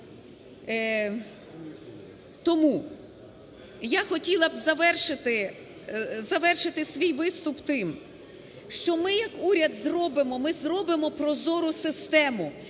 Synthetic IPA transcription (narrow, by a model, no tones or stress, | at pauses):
t̪ɔmu | jaxɔtʲilˠɐbzɐʋɛrʃɪt̪ɪ | zɐʋɛrʃɪt̪ɪsʲʋʲijʋɪst̪ʊpt̪ɪm | ʃt͡ʃɔmɪjɐkuɾʲɐd̪zrɔbɪmɔmɪzɾɔbɪmɔpɾɔzɔɾʊsɪst̪ɛmʊ